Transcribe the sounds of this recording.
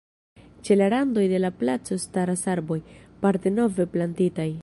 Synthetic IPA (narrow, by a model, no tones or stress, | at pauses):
t͡ʃe̞laɾando̞jde̞laplat͡so̞staɾasaɾbo̞jpaɾte̞no̞ve̞plantitaj